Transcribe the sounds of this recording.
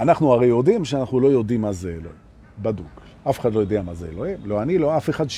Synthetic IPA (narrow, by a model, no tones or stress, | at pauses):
anaχnuaʁejod̪imʃeanaχnulo̞jo̞d̪imːazeːlo̰hi | bad̪ṵk | afe̥χad̪lo̞jod̪eamazeelohimlo̞anilo̞afeχad̪ʃ